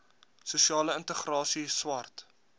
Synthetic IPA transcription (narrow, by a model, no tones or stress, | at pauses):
suʃiɑːləəntəχrɑːsiswɐrt